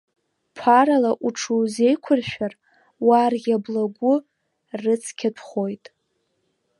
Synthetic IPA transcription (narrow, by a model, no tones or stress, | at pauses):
pʰaɾalaʔuʈ͡ʂʰuwze̞jkʷʰʊrʃᶣar | warɡʲablaɡʷʊ | rɨt͡sʰkʲʰatʷʰχo̞jtʼ